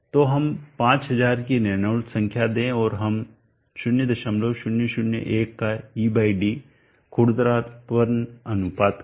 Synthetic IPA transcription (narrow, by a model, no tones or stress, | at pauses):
t̪oɦɐmpãːt͡ʃɦɐzaːɾkinɛnəːlsɐ̃ŋkʰjad̪ẽɔːɾɦɐm | ʃʊnjəd̪ɐʃəmloʃʊnjəʃʊnjə̰ʔeːkːaiːbaːiɖi | kʰʊɽd̪ɾaːt̪pʋɐɾnɐnʊpaːd̪